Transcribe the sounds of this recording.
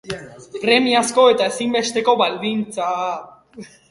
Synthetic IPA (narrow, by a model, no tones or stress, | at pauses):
pɾe̞miasko̞e̞t̪ae̞simbe̞st̪e̞ko̞βald̪int͡sa